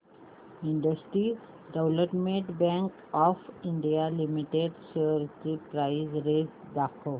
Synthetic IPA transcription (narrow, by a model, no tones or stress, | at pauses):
iɳɖəsʈɾi | ɖəwləpmẽʈbɛ̃ŋk | ɔfiɳɖijalimiʈeɖsəɾtipɾaɪzɾesd̪akʰo